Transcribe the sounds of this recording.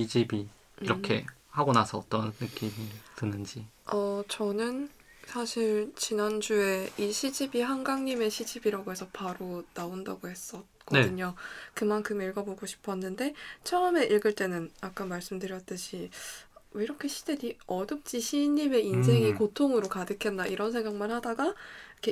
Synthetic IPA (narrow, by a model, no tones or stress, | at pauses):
id͡ʑibi | iɾʌkʰe̞̰haɡonasʰʌːt͈ʌnːɯk͈imitɯnɯnd͡ʑi | ʌt͡ɕʌnɯn | sʰaɕʰiɭt͡ɕinand͡ʑue̞iɕʰid͡ʑibiɦaŋɡaŋɲime̞ɕʰid͡ʑibiɾaɡoɦe̞sʰʌpaɾonaondaɡohe̞s͈ʌt̚k͈ʌedɯɲokɯmankʰɯmiɭɡʌboɡoɕʰi̥pʰʌnːɯnde̞t͡ɕʰʌɯme̞ʔiɭɡɯɭt͈e̞nɯnak͈amaɭs͈ɯmdɯɾjʌt̚t͈ɯɕʰi | iɾʌkʰe̞ɕʰide̞diʌdɯp̚t͡ɕ͈iɕʰiɲime̞ins̬ʰe̞ŋikotʰoŋɯɾokadɯkʰe̞nːaʔiɾʌnsʰe̞ŋɡak̚manhadaɡakʰe